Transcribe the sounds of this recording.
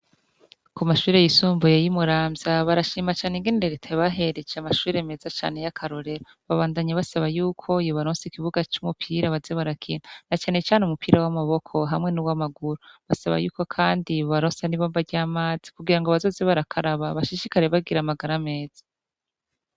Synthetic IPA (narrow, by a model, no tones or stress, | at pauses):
kumaʃuːɾejisuːmbujejimuɾaːmzaβaɾaʃiːmat͡ʃaːneiŋɡeniɾeɡetʰaβaɦe̞ɾed͡ʒeamaʃuːɾeme̞zat͡ʃa̰ːne̞jakʰaɾo̞ɾe̞ɾo | βaβaːndaɲaβasaβajuːkʰo̞ijoβaɾoːnsikiβuɡat͡ʃumupʰiːɾaβazeβaɾakʰḭːnanat͡ʃaːne̞t͡ʃaːneumupʰiːɾawamaβo̞kʰo̞ɦamŋe̞nuwamaɡuɾoβasaβa̰juːko̞kʰaːndiβaɾosaniβoːmbaɾɟaːmaːz̥i̥kuɡiɾaŋɡoβazo̞ːzeβaɾakʰaɾaβaβaʃiʃikaɾe̞βab̚ɡiɾamaɡaɾame̞ːz̥ḁ